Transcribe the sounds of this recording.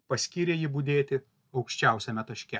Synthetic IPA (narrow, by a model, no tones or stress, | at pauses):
pɐsʲkʲiːɾʲeːjɪbud̪ʲeːt̪ʲɪ | ɒʊkʃʲt͡ʃʲɛˑʊsʲɛmʲɛt̪ɐʃʲkʲɛ